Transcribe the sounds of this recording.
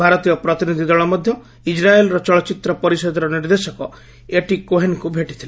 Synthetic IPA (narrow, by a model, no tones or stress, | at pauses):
bʱaɾɔt̪ijɔpɾɔt̪inid̪ʱid̪ɔɭɔmɔd̪ʱjɔ | id͡ʒɾaelɾɔt͡ʃɔɭɔt͡ʃit̪ɾɔpɔɾisɔd̪ɔɾɔniɾd̪esɔkɔ | eʈikoɦenkubʱeʈi̥t̪ʰile